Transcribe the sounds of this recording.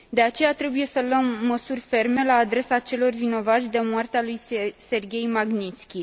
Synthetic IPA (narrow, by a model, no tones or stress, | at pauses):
d̪e̞at͡ʃe̞jat̪ɾe̞buje̞sələmːəsurʲfe̞rme̞laːd̪ɾe̞sat͡ʃe̞lo̞rvino̞vat̪sʲd̪e̞moart̪ealujse̞rɡʲe̞jmaɡnit̪skʲi